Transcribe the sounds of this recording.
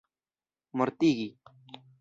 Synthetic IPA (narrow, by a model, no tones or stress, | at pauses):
məɾt̪iːɡiː